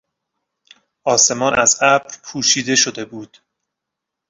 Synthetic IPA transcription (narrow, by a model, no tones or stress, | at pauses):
ʔɒːse̞mɒːnʔæzæbɾpʰuːʃiːd̪e̞ʃo̞d̪e̞buːd̪̥